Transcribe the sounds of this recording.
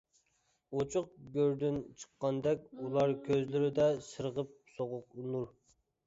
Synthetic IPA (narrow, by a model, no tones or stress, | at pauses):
ot͡ʃʰʊq̚ɡʲøɾd̪ɪnt͡ʃʰə̥qːɑnd̪ɛkʲulˠɑɾkʲʰøzlɪɾɪd̪ɛsɨɾʁəp̚soʁʊqunuɾ